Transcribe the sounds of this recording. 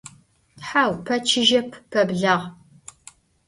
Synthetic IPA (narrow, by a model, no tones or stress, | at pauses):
ħaːwpʰɐt͡ʃʰɪʒɐpʰpʰɐbɮɐʁ